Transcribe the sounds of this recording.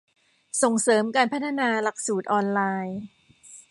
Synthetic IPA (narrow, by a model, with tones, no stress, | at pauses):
so˨˩ŋsɤː˩˦mkaː˧npʰa˥t̪ʰa˧naː˧la˨˩k̚suː˨˩t̪̚ʔɔː˧nlaː˧j